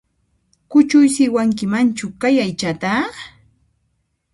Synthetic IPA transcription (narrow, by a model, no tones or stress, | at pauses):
kʊt͡ʃʊjsɪwaŋkɪmant͡ʃʊkajajt͡ʃat̪a